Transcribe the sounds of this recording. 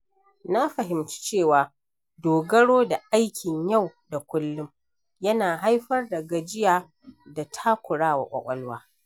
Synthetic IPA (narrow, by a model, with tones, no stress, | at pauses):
na˦ɸɐ˨ɦɪ˨mt͡ʃi̥˦t͡ʃeː˦˨waː˨ | doː˨ɡɐ˦ɽoː˦da˨ʔa˦jkʲɪ˨ɲja˦˨wda˨kʷʊ˦lːʊ˦m | jɐ˦naː˨ɦa˦jɸɐ˦rdɐ˨ɡɐ˨d͡ʒɪ˦jaː˨ | da˨tʰa˦kʷʊ˨ɽaː˦wa̰˨kʷʼɐ̰˨kʷʼɐ˦lwaː˦